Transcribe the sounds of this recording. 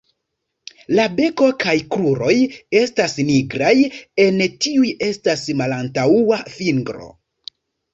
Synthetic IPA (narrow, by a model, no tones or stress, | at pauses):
labe̞ko̞kajkɾuɾo̞je̞stasniɡɾaje̞ntiuje̞stasmalantauaviŋɡɾo̞̰